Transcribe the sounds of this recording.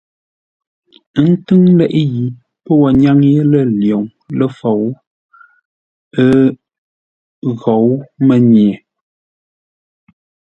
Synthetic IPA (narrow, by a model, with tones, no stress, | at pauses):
n̩˦tɨ˦ŋlɛ˦˨ʔji˨ | pə˦wa˨ɲa˦ŋje˦lə˦ljɔ˨ŋ | lə˦fɔ˨w | ə˦ | ɣɔ˨wmə˨ɲje˨